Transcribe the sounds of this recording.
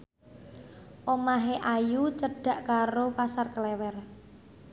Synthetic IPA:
ʔomaɦeʔajut͡ʃəɖ̥a̤ʔkaɾopasarkəlɛwɛr

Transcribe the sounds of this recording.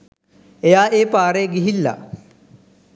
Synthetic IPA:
ejaːʔeːpaːɾeɡiɦilːɐ̰

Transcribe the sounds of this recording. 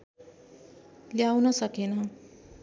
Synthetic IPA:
ljawnʌsʌkenʌ

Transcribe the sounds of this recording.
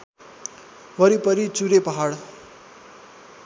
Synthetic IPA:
ʋʌɾipʌɾit͡suɾepʌɦaɽ

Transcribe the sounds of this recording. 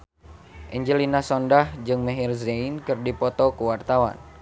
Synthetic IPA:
ʔɛɲd͡ʒəlinasɔndahd͡ʒɨŋmɛɦirzɛinkɨrdipɔt̪ɔkuwart̪awa̰n

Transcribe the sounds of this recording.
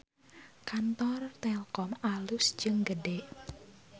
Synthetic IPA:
kant̪ɔrt̪ɛlkɔmalʊsd͡ʒɨŋɡədeʔ

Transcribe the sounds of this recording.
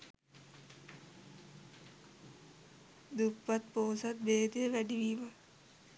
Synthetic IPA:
d̪upːɐt̪poːsɐt̪̚beːd̪ʋæɖiʋiʋɐ

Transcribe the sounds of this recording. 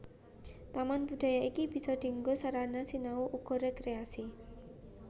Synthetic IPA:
t̪amanbṳɖ̥̪a̤jaʔikib̥i̤sɔɖ̪̥i̤ŋɡosaɾanasinauʔuɡɔɾekɾeasi

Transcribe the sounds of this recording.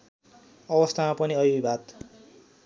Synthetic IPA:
ʌbʌst̪ʰamapʌniʌbibʱat̪

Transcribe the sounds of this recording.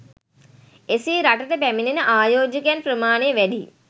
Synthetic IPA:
esiːɾaʈətəpæminenəʔaːjoːd͡ʒəkejanpɾəmaːnejʋæɖḭ

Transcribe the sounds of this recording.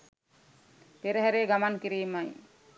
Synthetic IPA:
peɾəɦæɾeːɡamaŋkiɾiːmaj

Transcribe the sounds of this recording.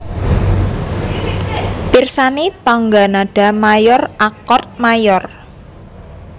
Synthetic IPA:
pirsanet̪ɔŋɡa̤naɖ̥ä̤majɔrakɔt̪̚majɔr

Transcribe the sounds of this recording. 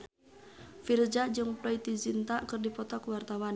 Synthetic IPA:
fird͡ʒad͡ʒɨŋpɾɔit̪izint̪aʔkɨrdipɔt̪ɔkwart̪awan

